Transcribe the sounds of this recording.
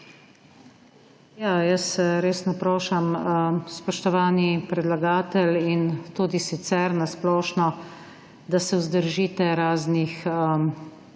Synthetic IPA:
jajəsɾeːsnɔpɾɔːʃamspɔʃt̪ɔʋaːnipɾɛd̪laɡaːt̪ɛlint̪uːd̪isit̪sɛɾnasplɔːʃnɔ | d̪asɛʊzd̪əɾʒiːt̪ɛɾaːznixə

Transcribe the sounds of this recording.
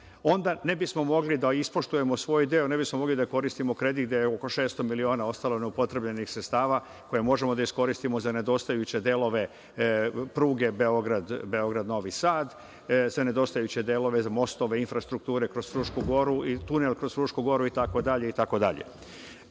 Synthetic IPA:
o̞nd̪ane̞bismo̞mo̞ɡlid̪aispo̞ʃt̪uje̞mosʋo̞ːjd̪eone̞bismomo̞ɡlid̪ako̞ɾist̪imo̞kɾe̞d̪iɡd̪jejeoko̞ʃe̞ːst̪o̞milio̞ːnao̞st̪alone̞upo̞t̪ɾe̞bʎe̞nixsɾet̪st̪aːʋa | ko̞je̞mo̞ʒe̞mo̞d̪aisko̞ɾist̪imo̞zane̞d̪o̞st̪ajut͡ɕe̞d̪elo̞ʋe̞ | pɾuːɡe̞beo̞ɡɾad̪beo̞ɡɾad̪no̞ʋisaːd̪ | zane̞d̪o̞st̪ajut͡ɕe̞d̪elo̞ʋe̞amo̞st̪o̞ʋe̞infɾast̪ɾuk̚t̪uːɾe̞kɾo̞zɾuːʃkuɡo̞ɾuit̪unelkɾo̞sɾuːʃkuɡo̞ɾuit̪ako̞d̪aʎe̞it̪ako̞d̪a̰ʎḛ

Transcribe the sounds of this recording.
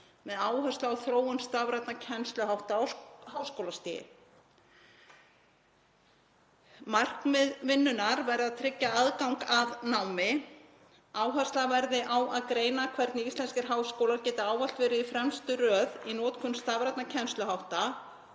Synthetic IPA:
mɛðaːwɦœ̥st̪laawθɾoːwʏnst̪avɾat̪nacʰɛnst̪lʏɦawht̪awhawskowlast̪ɪːjɪ̰ | mar̥knmɛðvɪnːʏnaɾvɛɾɪðaðt̪ʰɾɪcːaaðkawŋkaðnawmɪ | aːwɦḁst̪lavɛɾðɪʔawaðkɾeːjnakʰvɛɾt̪nɪist̪ɛnscɪɾ̥ɦaːwskoːwlacɛːt̪ɪaːwval̥t̪vɛːɾɪifɾɛmst̪ʏɾœːðinɔːt̪kʰʏnst̪avɾajt̪nacʰɛnst̪lʏɦawht̪a

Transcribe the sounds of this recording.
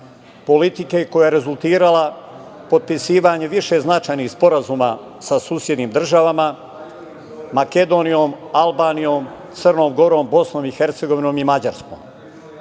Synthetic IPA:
po̞lit̪ikeko̞jaeɾe̞zulˠt̪iːɾalapo̞d̪̚pisiːʋaɲeʋiʃe̞znat͡ʃaːjnixspo̞ɾazuːma | sasuːsje̞d̪niːmd̪r̩ʒaʋama | make̞d̪o̞nijo̞ːm | albaːnijoːm | t̪sərno̞ːmɡo̞ɾoːmbo̞sno̞ːmixe̞ɾt̪se̞ɡo̞ʋino̞ːmimad͡ʑaɾsko̰ːm

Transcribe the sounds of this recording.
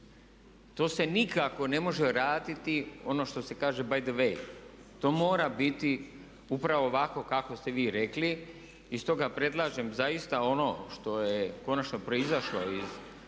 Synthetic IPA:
t̪o̞ːse̞nikako̞ne̞mo̞ʒeɾaːd̪it̪io̞no̞ːʃt̪o̞se̞kaːʒe̞bajd̪ʋej | t̪o̞ːmo̞ːɾabit̪i | upɾaʋo̞ʋako̞kako̞st̪e̞ʋiːɾe̞kli | ist̪o̞ːɡapɾe̞d̪lˠaːʒemzajist̪ao̞no̞ʃt̪o̞jeko̞nat͡ʃnopɾo̞izaʃloiz

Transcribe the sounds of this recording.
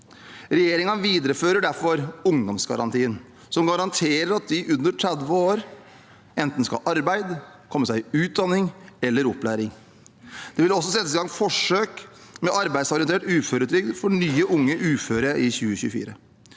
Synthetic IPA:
ɾɛjeːɾɪŋənʋiːd̪əɾəføːɾəɖæɾfɔɾʊŋd̪ɔmsɡɑ̰ɾɑ̰nt̪ʰiːən | sɔmɡɑɾɑnt̪ʰeːɾəɾɑt̪̚d̪ɪʔʉnd̪əʈʰɾæd̪ʋəoːɾ | ɛnt̪n̩skɑ̰ʔɑɾbæɪd̪kʰɔmːəsæɪʉːt̪̚d̪ɑnɪŋɛlːəɾɔplæːɾɪŋ | d̪̥ɛʋɪlɔsːɔsɛt̪ːəsɪɡɑŋfɔʂøːkmɛʔɑɾbæɪd̪sɔɾɪənt̪eːʈʉːføːɾət̪ʰɾʏɡd̪fɔɳyːəʔʊŋːəʔʉːføːɾəʔɪçʉːəçʉ̰ːfḭːɾə

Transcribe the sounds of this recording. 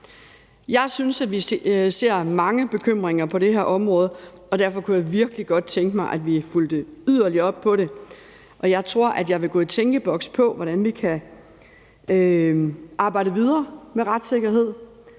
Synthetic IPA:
jɑ̈ɪsynsæd̥ʋise̝ɐ̰mɑ̈ŋəb̥e̝kʰøm̰ʁeŋɐpʰɒ̽ɾe̝ɦæɐ̰ʔɒ̽mʁɔ̽ːð̞̩ˠ | ɒ̽d̥æɐ̰fɒ̽kʰujɑ̈ɪʋiɐɡ̥liɡ̥ɒ̽d̥̚t͡sʰeŋɡ̥əmɑ̈ɪʔæd̥ʋifuld̥əyð̰ˠɐliɐɒ̽b̥̚pʰɒ̽ɾe̝ | ʔɒ̽jɑ̈ɪt͡sʰʁo̝ɐ̰ʔæd̥jɑ̈ɪʋe̝ɡ̥ɔ̽ːit͡sʰeŋɡ̥əb̥ɒ̽ɡ̥spʰɒ̽ʋɒɾ̥ænʋikʰæ | ø | ʔɑ̈ːb̥ɑ̈ɪ̰ɾəʋið̞ˠɐːmeʁɑd̥se̝ɡ̥ɐɦe̝ð̞̰ˠ

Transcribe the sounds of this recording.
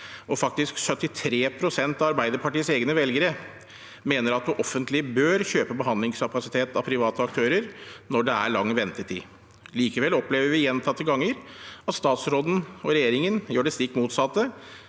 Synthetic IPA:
ɔfɑk̚t̪ɪsksœt̪ːɪt̪ʰɾeːpʰɾʊsɛnt̪ɑʋɑɾbæɪd̪əɾpʰɑʈiːseːɡnəʋɛlɡəɾə | meːnəɾɑt̪̚d̪ʉʔɔfːənt̪lɪbøːɾçøːpəbəɦɑnd̪lɪŋskʰɑpɑsɪt̪ʰeːt̪ɑpʰɾɪʋɑːt̪əɑkt̪ʰøːɾəɾnɔɖɛæɭɑŋːʋɛnt̪ət̪ʰḭː | liːkəʋɛlɔpleːʋəɾʋɪjɛnt̪ʰɑt̪ʰːəɡɑŋːəɾɑt̪st̪ɑːt̪sɾoːd̪n̩ɔɾɛjeːɾɪŋənjøːɖɛst̪ikːmuːt̪sɑt̪ːə

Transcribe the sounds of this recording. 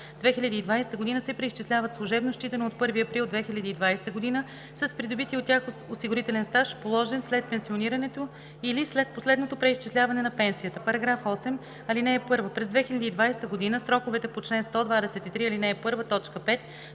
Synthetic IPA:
d̪vɛxilʲɐd̪iːd̪vajsɛ̥t̪əɡod̪inəsɛpɾɛiʃt͡ʃislʲavət̪slˠuʊʒɛbnoʃt͡ʃit̪ɐnoot̪̚pɤɾviɐpɾilˠd̪vɛxilʲɐd̪iːd̪vajsɛ̥t̪əɡod̪inə | səspɾid̪obit̪iot̪ːʲjaxosiɡoɾit̪ɛlɛnst̪aʃpolˠɔʒɛnslɛt̪̚pɛnsioniɾɐnɛt̪o | ilislɛt̪̚poslɛd̪not̪opɾɛiʃt͡ʃislʲavɐnɛnɐpɛnsijət̪əpɐɾɐɡɾafɔsɛm | ɐlinɛɛpɤɾvəpɾɛzd̪vɛxilʲɐd̪iːd̪vajsɛ̥t̪əɡod̪inəsɾɔkʊvɛt̪ɛpot͡ʃlɛnst̪ɔd̪vad̪ɛsɛt̪it̪ɾiɐlinɛːpɤɾvət̪ɔt͡ʃkəpɛt̪

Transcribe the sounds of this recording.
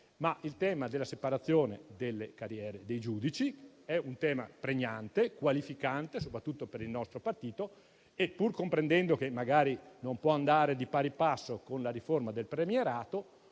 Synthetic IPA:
maʔilt̪ɛːmad̪elːasepaɾat̪sːjoːnḛd̪elːekaɾjɛːɾed̪ejd͡ʒuːd̪it͡ʃiɛunt̪ɛːma̰pɾeɲːant̪ekwalifikant̪esopɾat̪ːut̪ːopeɾilnɔst̪ɾopart̪iːt̪o | epːurkompɾend̪ɛnd̪okemːaɡaːɾinompwɔand̪aːɾed̪ipaɾipasːokonlaɾiformad̪elpɾemieɾaːt̪o

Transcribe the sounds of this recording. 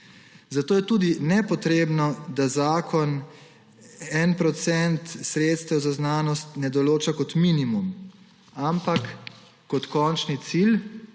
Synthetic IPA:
zat̪oːjɛt̪uːd̪inɛpɔt̪ɾeːbnɔd̪azaːkʰɔn | ɛnpɾɔt̪sɛnt̪sɾeːt̪st̪ɛwzaznaːnɔst̪nɛd̪ɔloːt͡ʃakɔt̪minimum | ampakː | ɔt̪kɔːnt͡ʃnit̪sil

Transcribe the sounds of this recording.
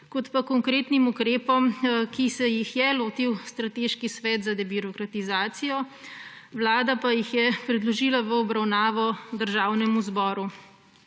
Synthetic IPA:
kɔt̪pakɔŋkɾeːt̪nimukɾeːpɔmkisɛjixjɛloːt̪iwst̪ɾat̪eːʃkisʋɛːt̪zad̪ɛbiɾɔkɾat̪izaːt̪sijɔ | wlaːd̪apajixjɛpɾɛd̪lɔʒilaʋəɔbɾawnaːʋɔd̪əɾʒaːwnɛmuzbɔːɾu

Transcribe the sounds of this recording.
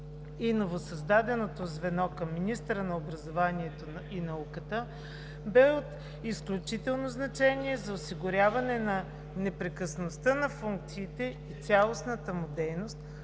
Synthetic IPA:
inovosɐzd̪ad̪ɛnot̪ozvɛnɔkəmːinist̪əɾənɐobɾɐzovaniɛt̪oinɐukət̪ə | bɛot̪ | isklʲut͡ʃit̪ɛlˠnoznɐt͡ʃɛniɛzɐosiɡʊɾʲjavɐnɛnɐ | nɛpɾɛkəsnost̪ənɐfuŋk̚t̪siːt̪ɛit̪sʲalˠosnət̪əmud̪ɛjnost̪̚

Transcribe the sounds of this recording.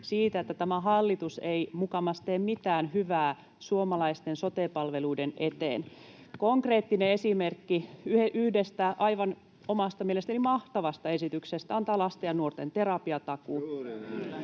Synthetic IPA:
siːt̪æet̪ːæt̪æmæɦɑlːit̪useimukɑmɑst̪eːmmit̪æːnhyʋæː | suomɑlɑist̪ensot̪eːpɑlʋeluidenʔet̪ḛːn | koŋkreːt̪ːineesimerkːiyheʔyhdest̪æʔɑiʋɑn | omɑst̪ɑmielest̪ælimɑht̪ɑʋɑst̪ɑesit̪yksest̪æɑnt̪ɑːlɑst̪ɑjɑnuort̪ent̪erɑpiɑt̪ɑku

